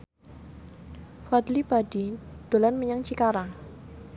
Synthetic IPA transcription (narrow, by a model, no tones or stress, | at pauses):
fad̪lipadid̪̥o̤lanməɲaŋt͡ʃikaɾaŋ